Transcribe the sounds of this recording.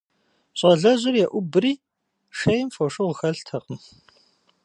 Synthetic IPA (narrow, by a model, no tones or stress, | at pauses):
ɕʼɐɮɐʑʷʊrjɛʔʷʊbɨriː | ʂejmfoʂʼɨʁxɐɬtʰɐqəm